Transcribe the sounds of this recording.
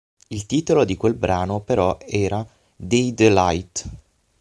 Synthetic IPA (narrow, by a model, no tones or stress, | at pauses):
ilt̪iːt̪olod̪ikwelbɾaːnopeɾɔɛːɾa | d̪ejd̪lajt̪